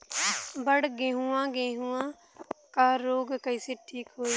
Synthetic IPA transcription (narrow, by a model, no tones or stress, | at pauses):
bəɽɡẽːɦũːãːɡẽːɦũãː | kaːɾoːɡkəiːseːʈʰiːkɦoːi